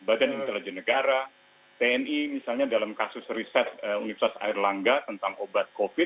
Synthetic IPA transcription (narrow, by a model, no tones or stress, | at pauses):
badanint̪elid͡ʒɛnːəɡaɾa | t̪eɛnimisalɲadalamkasʊsrisɛt̪̚əunifərt̪asa̰ɪrlaŋɡat̪ənt̪aŋobat̪̚kofɪt̪̚